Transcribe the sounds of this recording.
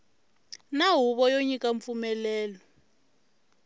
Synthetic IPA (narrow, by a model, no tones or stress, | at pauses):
naɦuɓɔjoɲikʼaɱfumɛlɛːlɔ